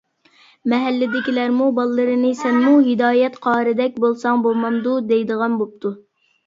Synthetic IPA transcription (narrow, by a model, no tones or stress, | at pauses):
mɛɦɛlːɪd̪ɪkʲilæɾmubɑlˠːɨɾɨnɨsɛnmuɦɪd̪ɑːjɛt̪qʰɑːɾɨd̪ɛk̚ʲbolˠsɑŋbomɑmd̪ud̪ɛjd̪əʁɑnbop̚t̪ʰu